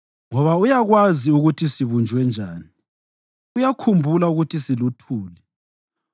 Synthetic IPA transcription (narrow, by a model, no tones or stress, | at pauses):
ŋɔβaujaɣwaziuɣutʰisiβund͡ʒʱwɛnd͡ʒʱaːni | ujakʰumbʱulauɣutʰisilutʰuːlɛ